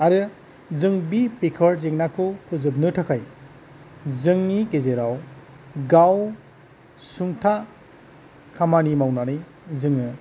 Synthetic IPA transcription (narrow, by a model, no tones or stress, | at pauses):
aɾɯ | zɯŋbipekʰɔɾzeŋnakʰukʰɯzɯb̬̚nɯtʰɯkʰaj | zɯŋnikezeɾaw | ɡaw | suŋtʰa | kʰamanimawnanɯj | zɯŋɯ